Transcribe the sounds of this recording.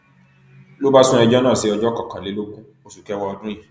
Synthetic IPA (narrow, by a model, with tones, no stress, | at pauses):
lo˦ba˦sũ˦ɛ˧d͡ʒɔ˦nãː˦˨si˨˦ɔ˧d͡ʒɔ˦kɔ̃˨kã˨le˨˦lo˦ɡũ˦ | o˨su˨kɛ˨˦wɔ˧ɔ˧dũ˦jĩ˦˨